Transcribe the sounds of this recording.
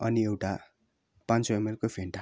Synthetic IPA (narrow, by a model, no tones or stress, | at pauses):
ʌniewʈa | pãnt͡soemelkopʰeɳʈa